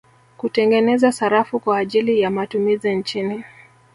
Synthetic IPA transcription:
kutɛŋɡɛnɛzasaɾafukwaːʄilijamatumizint͡ʃini

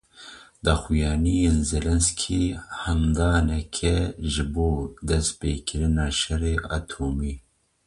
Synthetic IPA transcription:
d̪ɑːxujɑːnijenzelɛnskʰiːhɛmd̪ɑːnɛkʰɛʒɪboːd̪ɛs̚peːkʰɪɾɪnɑːʃɛreːʔɑːt̪ʰoːmiː

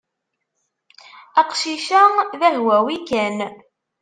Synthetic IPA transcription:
æqʃiʃæðæhwæwikæn

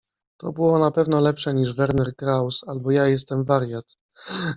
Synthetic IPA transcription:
t̪ɔbɘwɔnapɛvnɔlɛpʂɛɲiʐvɛɾnɛɾkɾawsalbɔjajɛs̬t̪ɛmvaɾʲjat̪

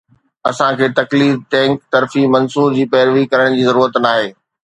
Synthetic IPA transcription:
ɐsãkʰeːt̪ɐkliːd̚t̪ɛ̃ːŋkt̪ɐɾfimɐnsuːd͡ʑiːpɛːɾʋikɐɾəɽ̃d͡ʑiːzɐɾuːɾət̪naːɦeː

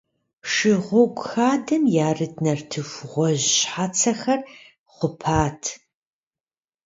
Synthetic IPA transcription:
ʂɪʁʷɔɡʷʼʊxaːdʰɐmjaːrɨdnɐrtʰɨfʷʁʷɔʑɕħaːt͡sʰɐxɐr | χʷʊpʰaːtʰ

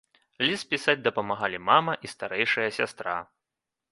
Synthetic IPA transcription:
lʲispʲisad͡zʲd̪ɐpɐmaɣalʲimamɐʔist̪aɾɛjʂɐjɐsʲa̰st̪ɾa̰

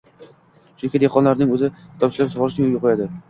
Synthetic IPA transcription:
ʃʊnkʲɪd̪eqʰɒnlaɾnɪŋɵzɪt̪ʰɒpʃɪlapsʁɒlˠɾɪʃnɪjoɡʲɪqʰʊjad̪ɪ

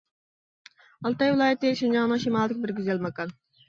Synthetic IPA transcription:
ɑlˠt̪ɑjwɪlˠɑːjɛt̪ːeʃind͡ʒɑŋnɨŋʃimɑːlˠɪkʲbɪɾɡʲyzɛlmɑkɑn

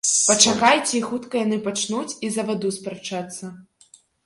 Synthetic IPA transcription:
pɐt͡ʂakajt͡sʲeixut̪kɐjanɨpat͡ʂnut͡sʲizɐvad̪uspɾɐt͡ʂat̪sːɐ

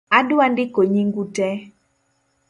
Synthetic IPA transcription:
adʊandɪkoɲiŋɡutɛ

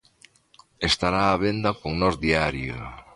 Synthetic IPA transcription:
est̪aɾaːβend̪ɐkoŋnɔzðiaɾjo̰

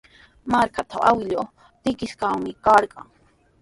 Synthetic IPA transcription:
maɾkat̪aʔawɪʎo | t̪ɪkɪskaŋmɪkɑɾɢɑ̰ŋ

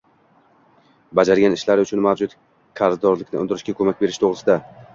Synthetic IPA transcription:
bad͡ʒaɾɡʲanɪʃlaɾʊt͡ʃʰʊnmawd͡ʒʊt̪ | kʰaɾzd̪ɒɾlɪkʲnɪʊnd̪ɪɾɪʃkʲakʰɵmakʲbe̞ɾɪʃt̪ʰoʁɾɪsɪd̪a

